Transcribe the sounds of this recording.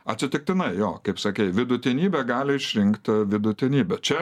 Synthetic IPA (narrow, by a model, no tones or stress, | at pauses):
ɐt̪ʲsʲɪt̪ʲɪk̚t̪ʲɪnɐɪjoːkɐɪpsɐkʲɛɪʋʲɪd̪ʊt̪ʲɪnʲiːbʲɛɡɑːlʲɪɪʃʲɾʲɪŋkt̪ʲʋʲɪd̪ʊt̪ʲɪnʲiːbʲɛt͡ʃʲɛ